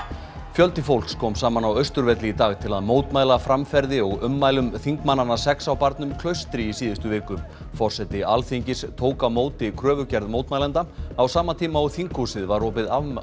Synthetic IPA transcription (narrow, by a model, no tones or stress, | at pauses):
fjœlt̪ɪfowlkskʰɔːmsaːmanawœɥst̪ʏɾvɛt̪lɪit̪aːɣt̪ʰɪlaðmoːwt̪maːjlafɾamfɛɾðɪɔɣʏmːaːjlʏmθiŋkmanːanːasɛksawpaɾt̪nʏmkʰlœɥst̪ɾɪisiːðɪst̪ʏvɪːkʏm | fɔr̥sɛt̪ɪalθiɲcɪst̪ʰoːwkamoːwt̪ɪkʰɾœːvʏcɛɾðmowt̪maːjlant̪aawsaːmat̪ʰiːmaawθiŋkhusɪðvaɾːɔːpɪða